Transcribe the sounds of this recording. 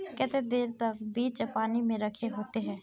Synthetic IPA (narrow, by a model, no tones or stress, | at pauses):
kɛt̪ed̪eːɾt̪ɐk̚biːt͡ʃpaːnimẽɾəkʰeɦoːt̪eɦɛ̃ː